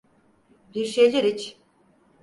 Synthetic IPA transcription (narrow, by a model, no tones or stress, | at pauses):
biɾʃejlʲeɾit͡ʃ